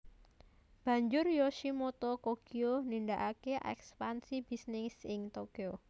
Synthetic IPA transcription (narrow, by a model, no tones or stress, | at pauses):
b̥ä̤ɲd͡ʒʊrjoʃimot̪ɔkokionindaʔakeʔɛ̰kspansib̥isnɪsɪŋt̪okio